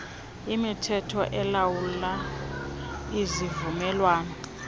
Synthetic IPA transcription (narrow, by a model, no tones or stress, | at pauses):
imitʰɛtʰɔʔɛlawulla | izivumɛːlwaːnɔ